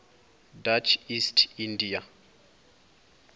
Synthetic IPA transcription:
dat͡ʃʰistʰindija

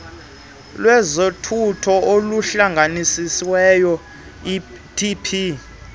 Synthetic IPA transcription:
lwɛzotʰutʰɔoluɬaŋɡʱanisisiwɛjɔ | tʰipʰi

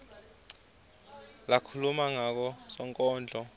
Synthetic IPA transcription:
lakʰulumaŋak̬ɔsɔŋkʼɔːnd͡ɮʱɔ

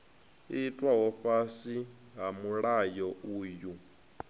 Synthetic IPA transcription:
itʼwaɦɔɸasi | ɦamuɺajɔuːju

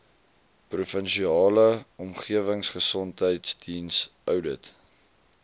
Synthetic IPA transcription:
prufənʃiɑːləɔmχiəvəŋsχəsɔntɦəjtsdinsʔœwdət

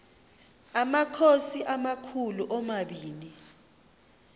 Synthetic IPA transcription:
amakʰosiʔamakʰuluʔɔmaɓiːni

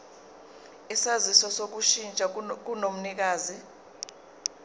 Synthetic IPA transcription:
isazisɔsok̬uʃint͡ʃʼak̬unom̩nik̬aːzi

